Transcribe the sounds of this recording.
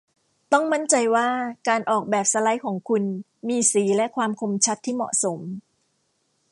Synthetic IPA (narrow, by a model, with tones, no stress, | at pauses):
t̪ɔ˥˩ŋma˥˩nt͡ɕa˧jwaː˥˩kaː˧nʔɔː˨˩k̚bɛː˨˩p̚sa˧la˦˥jkʰɔː˩˦ŋkʰu˧n | miː˧siː˩˦lɛ˦˥kʰwaː˧mkʰo˧mt͡ɕʰa˦˥t̪ʰːiː˥˩mɔ̰˨˩ʔso˩˦m